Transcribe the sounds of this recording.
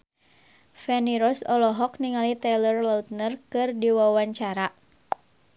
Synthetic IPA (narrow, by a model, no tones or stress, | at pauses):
fɛniɾɔsɔlɔɦɔkniŋalit̪ɛlərlaut̪̚nərkɨrdiwawaɲt͡ʃaɾa